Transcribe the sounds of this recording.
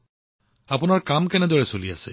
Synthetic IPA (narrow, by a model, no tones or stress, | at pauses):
apunaɹkamkɛnɛd̪ɔɹesolia̰se